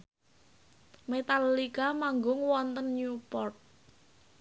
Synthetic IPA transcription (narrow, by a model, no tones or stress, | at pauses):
met̪alːikamaŋɡʊŋwɔnt̪ənɲupɔrt̪̚